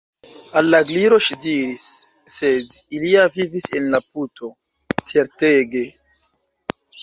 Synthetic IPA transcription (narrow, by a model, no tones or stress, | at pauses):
alːaɡliɾo̞ʃidiɾisː | e̞diliavivisenlap̚uto̞ | t͡se̞ɾteɡe̞